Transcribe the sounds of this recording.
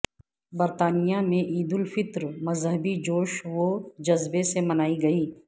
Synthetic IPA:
bɐɾt̪aːnɪjamẽʔiːd̪ʊlfɪt̪ɾmɐzɦəbid͡ʒoːʃʋod͡ʒɐzbesemɐnaːiɡɐiː

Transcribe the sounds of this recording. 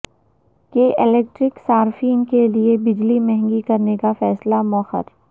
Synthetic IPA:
keːʔɪleːk̚ʈɾɪksaːɾfiːnkeliebɪd͡ʒlimɛ̃ɦɛ̃ŋɡikɐɾnekafɛːslamɔxə̰ɾ

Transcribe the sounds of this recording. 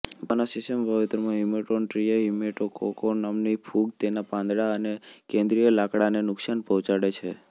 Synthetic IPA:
manasisəmbʱaʋit̪ɾəmãɦimeʈonʈɾijaɦimeʈoko̰konamnipʰuɡt̪enapãnd̪ɽaənekẽnd̪ɾijolakɽanenʊksanpɔɦt͡ʃaɽet͡ʃʰe

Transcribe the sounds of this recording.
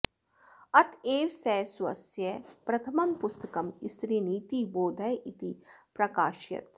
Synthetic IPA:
ɐt̪ʰeːʋsɛːswɐsjɐpɾɐt̪ʰɐmɐmpʊst̪ɐkɐmist̪ɾiniːt̪iboːd̪ʱɐjit̪ipɾɐkaːʃjɐ̰t̪

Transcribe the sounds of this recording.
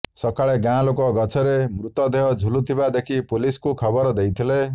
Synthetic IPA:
sɔkaɭeɡãlokɔɡɔt͡ʃʰɔɾemɾut̪ɔd̪eɦɔd͡ʒʱulut̪ʰibad̪ekʰipuliskukʰɔbɔɾɔd̪ejt̪ʰile

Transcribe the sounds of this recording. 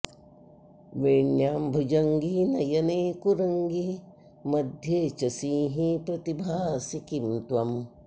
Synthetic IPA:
ʋeɳjaːmbʱud͡ʒɐŋɡinɐjɐneːkuɾɐŋɡi | mɐd̪ʱjet͡ʃɐsiːɦipɾɐt̪ibʱaːsikimt̪wɐm

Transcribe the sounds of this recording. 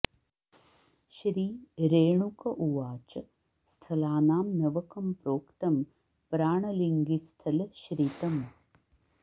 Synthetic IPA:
ʃɾiːɾeːɳukɐʔuʋaːt͡ʃɐ | st̪ʰɐlaːnaːmnɐʋɐkɐmpɾoːkt̪ɐm | pɾaːɳɐliŋɡist̪ʰɐlʃɾit̪ɐm

